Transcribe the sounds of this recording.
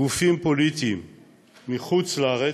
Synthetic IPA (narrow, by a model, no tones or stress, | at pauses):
ufimpolit̪iimː | iχut͡slaaʁe